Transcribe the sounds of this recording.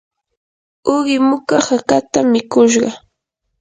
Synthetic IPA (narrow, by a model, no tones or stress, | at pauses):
ʊɢɪmʊkahakat̪amɪkʊʃ̬ɢɑ